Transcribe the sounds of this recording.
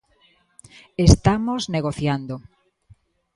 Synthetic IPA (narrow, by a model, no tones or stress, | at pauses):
est̪amozneɣoθjand̪o